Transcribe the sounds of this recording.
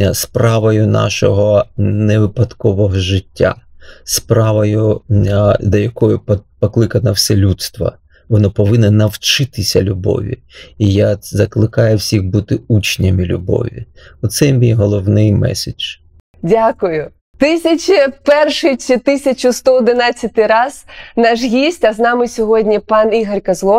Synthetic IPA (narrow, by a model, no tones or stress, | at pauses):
spɾɑʋɔjʊnɑ̰ʃɔ̰ɦɔneʋɪpɐd̪kɔʋɔɦɔʒɪtʲːa̰spɾɑʋɐjʊ | d̪ɔjɐkɔjʊppɔklˠɪkɐnɐwsʲɛlʲut̪st̪ʋɐ̰ | ʋɔnɔpɔʋɪnːɔnɐwt͡ʃɪt̪ɪsʲɐlʲʊbɔ̰ʋʲḭ | ijazɐklˠɪkɑjɛwsʲiɣbut̪ɪut͡ʃnʲɪmilʲṵbɔ̰ʋʲḭɔt̪sɛmʲijɦɔlˠɔwnɪjmɛ̰sʲed͡ʒ̥ | dʲakʊjʊ | t̪ɪsʲɐt͡ʃʲɪpɛrʃɪjt͡ʃʲɪt̪ɪsʲɐt͡ʃʊst̪ɔɔd̪ɪnɑt͡sʲːɐt̪ɪɾɑz̥nɑʃjisʲtʲɐznɑmɪsʲɔɦɔdʲnʲipɑniɦɔrʲkɐzlˠɔ